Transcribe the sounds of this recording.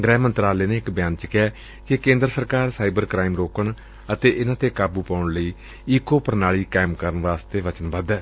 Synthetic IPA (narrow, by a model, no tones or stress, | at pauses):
ɡɾɛːmənt̪ɾaːleːneːɪkbjaːnt͡ʃəkɪjɛː | kɪkẽːnd̪ɾəsəɾkaːɾsaːɪbəɾkɾaːɪmɾoːkəɳ | ət̪eːʔɪnãːt̪eːkaːbuːpaːʊɳləiː | iːkoːpəɾnaːɭiːkaːmkəɾənʋaːst̪eːʋət͡ʃənbəd̪ɛː